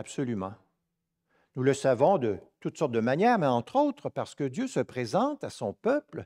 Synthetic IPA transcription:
absɔlymɑ̃ | nuləsavɔ̃d̪ət̪ut̪sɔʁt̪̚d̪əmanjɛːʁmɛɑ̃t̪χoːt̪χəpaʁsə̥kəd̪jøsəpʁezɑ̃t̪asɔ̃pœpl

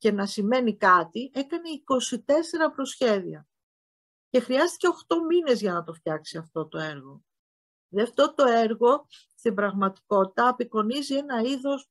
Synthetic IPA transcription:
ce̞nɐsime̞nikɐt̪iʔe̞kɐne̞iko̞sit̪e̞se̞ɾɐpɾo̞sçe̞ðiɐ | ce̞xɾiɐst̪i̥ce̞o̞xt̪o̞mine̞zʝɐnɐt̪o̞ft̪çɐksiɐft̪o̞t̪o̞e̞ɾɣo̞ | ðeɐft̪o̞t̪o̞e̞ɾɣo̞ | st̪imbɾɐɣmɐt̪i̥ko̞t̪i̥t̪ɐːpiko̞nizie̞nɐiðo̞s

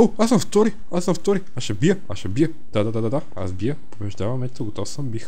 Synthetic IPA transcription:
oasə̃ɱft̪ɔɾi | asə̃mft̪ɔɾiasʃɛbijəaʃɛbijə | d̪̥ad̪ad̪ad̪ad̪a | a̰sbijəpobɛʒd̪avɐmːɛt͡ʃt̪oɡot̪ɔfsəmbix

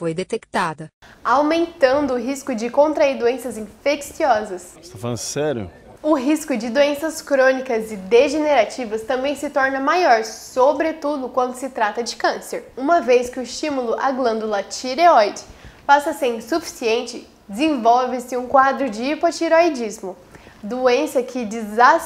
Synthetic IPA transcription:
fojd̪et̪ekt̪ad̪ɐawmẽnt̪ɐ̃nd̪ʊːɦiskʊd͡ʒɪkõnt̪ɾaiɾd̪uẽsɐzĩfeksiɔzɐst̪afa̰lɐ̰̃sɛɾjʊ̰ | ʊɦiskʊd͡ʒɪd̪oẽsɐskɾõnikɐzɪd̪eʒeneɾat͡ʃivɐst̪ɐ̃mbẽj̃sɪt̪ɔɾnɐmajɔɾsobɾet̪ud̪ʊkwɐ̃nd̪ʊsɪt̪ɾat̪ɐd͡ʒɪkɐ̃seɾũmɐveskɪʊɪst͡ʃĩmulʊʔaɡlɐ̃nd̪ʊlɐt͡ʃiɾeɔjd͡ʒpasɐsẽsufi̥siẽnt͡ʃɪ | d͡ʒɪzẽvɔwvɪsɪũkwad̪ɾʊd͡ʒɪːpot͡ʃiɾoid͡ʒizmʊ | d̪uẽsɐkʰɪd͡ʒɪza

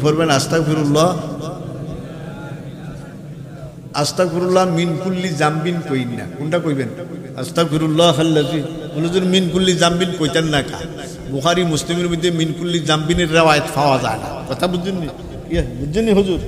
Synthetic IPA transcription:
pʰɔɾbɛnast̪akfʰiɾulːɔ | ast̪akfiɾulːɔminkulːizambinkoinːa̰kunʈakojbɛn | a̰st̪akfiɾulːɔxalːazi | ulɔzuɾminkulːizambinkojt̪anːaka̰ | bʊxaɾimuslimeɾbid̪ːeminkulːizambineɾːawajet̪fʰawaza̰jna̰kɔt̪ʰabud͡ʒinːi | iabud͡ʒinːiɦozuɾ

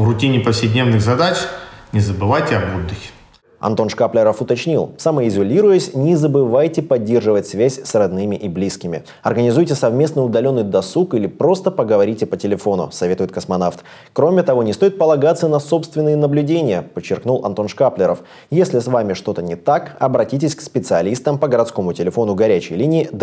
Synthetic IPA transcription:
rʊtʲinʲɪpəfsʲɪdʲnʲevnɨɣzɐd̪at͡ɕnʲɪzəbɨvajtʲɪɐbud̪ːɨxʲ | ɐ̰nt̪o̞nʂkaplʲɪɾəfʊt̪ɐt͡ɕnʲilˠsaməɪzʊlʲiɾʊjəsʲnʲɪzəbɨvajtʲɪpɐdʲːe̞rʐɨvətʲsvʲæsʲsrɐd̪nɨmʲɪʔiblʲiskʲɪmʲɪ̰ | ɐ̰rɡənʲɪzujtʲɪsɐvmʲe̞snɨjʊd̪ɐlʲo̞nːɨjd̪ɐsukilʲɪpɾo̞st̪əpəɡəvɐɾʲitʲɪpətʲɪlʲɪfo̞nʊ̰sɐvʲe̞t̪ʊjɪt̪kəsmɐnaft̪ | kɾo̞mʲɪt̪ɐvo̞nʲɪst̪o̞ɪt̪̚pəlˠɐɡat̪sːənɐso̞pst̪vʲɪnːɨjənəblʲʉdʲenʲɪjəpət͡ɕːɪrknulˠʔɐ̰nt̪o̞nʂkaplʲɪɾəf | jesʲlʲɪsvamʲɪʂt̪o̞t̪ənʲɪt̪akɐbɾɐtʲitʲɪsʲkspʲɪt̪sɨɐlʲist̪əmpəɡəɾɐt̪sko̞mʊtʲɪlʲɪfo̞nʊɡɐɾʲæt͡ɕɪ̰jlʲinʲɪːd̪

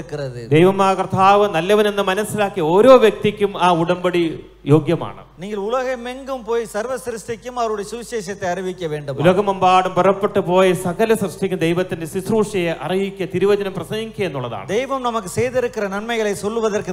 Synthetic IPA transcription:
kːɨrɐðɨd̪ejʋɐmaːjɐkrt̪ʰaːʋɐnɐlːɐʋɐne̞nːɨmɐnɐsːilaːkːio̞ːɾo̞ːʋjɐk̚t̪ikʲːumaːuɽɐmbɐɽi | jo̞ːɡjɐma̰ːɳɨ̰niːŋɡiluɭɐɣɐmeŋɡumpoːjisɐrʋɐsɾusʈ̪ikʲːumɐʋɐɾuɽesuʋiɕeːɕɐt̪ːeɐriʋikʲːɐʋe̞ːɳɖumulɐɣɐmɐmbaːɽumpɐrɐpːe̞ʈːɨpo̞ːjisɐɣɐlɐsrɨʂʈʰikʲːumd̪ejʋɐt̪ːinde̞sisruːʂɐjeʔɐriʋikʲːɐt̪iɾuʋɐd͡ʑɐnɐmprɐsɐŋːikʲːɐenːuɭːɐða̰ːɳɨd̪ejʋɐmnɐmukːɨsejðeɽukːɨrɐnɐɳmɐjɐɭesolːuʋɐðɐrkɨ

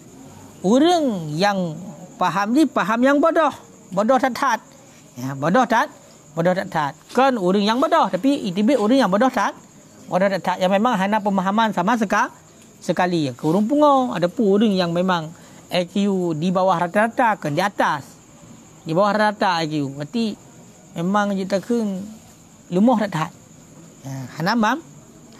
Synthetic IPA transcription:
uɾəŋjaŋpaɦamdipaɦamjaŋbodɔh | bodɔht̪at̪hat̪̚ | abodɔht̪at̪̚ | bɔdɔht̪at̪hat̪̚kɔnuɾəŋjaŋbodɔht̪apiʔit̪̬ibɪʔuɾəŋjaŋbɔdɔht̪at̪̚ | bɔdɔht̪at̪hat̪̚jaŋmemaŋɦanap̬əmaɦamansamas̬əka | səkalijaŋkəuɾəŋp̬uŋɔa̰dapunuɾəŋjaŋmemaŋ | akəjudibawahɾat̪aɾat̪akəndiat̪as | dibawahɾaaɾat̪aajkəjubat̪i | memaŋd͡ʒuʔt̪akʰən | lumɔht̪aʔt̪ɦat̪̚ | əhanamam

